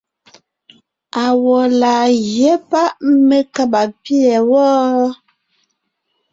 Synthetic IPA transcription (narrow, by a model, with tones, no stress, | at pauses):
a˨wɔ˨laː˨ɣjɛ˦pa˦ʔme˦ka˦ba˨pi˦ɛ˨wɔː˦